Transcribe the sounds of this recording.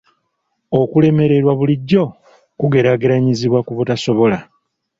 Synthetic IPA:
o̞kule̞me̞ɾe̞ɾwaβuliɟːo̞ | kuɡe̞ɾaːɡeɾaɲiziβwakuβutaso̞βo̞la

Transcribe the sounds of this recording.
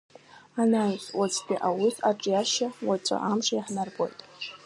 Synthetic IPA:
anajswat͡sʰʼtʼiʔawisaʈ͡ʂʼjaʃawat͡ʃʷʼa̰ʔamʂajaħnarbʼo̰jtʼ

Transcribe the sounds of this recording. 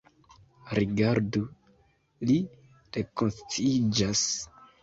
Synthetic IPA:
ɾiɡaɾdu | li | ɾekonst͡siid͡ʒas

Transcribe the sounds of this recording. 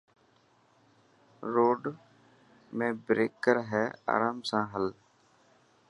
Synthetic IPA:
ɾoːɖ | mẽːbɾeːkəɾɦɛːa̰ːɾaːmsãːɦəl

